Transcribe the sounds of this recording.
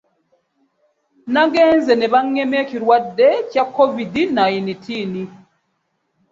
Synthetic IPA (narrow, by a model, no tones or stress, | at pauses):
naɡɛnzɛnɛβaŋːɛmɛkiɾwadɛcakʰɔvidinajinitʰini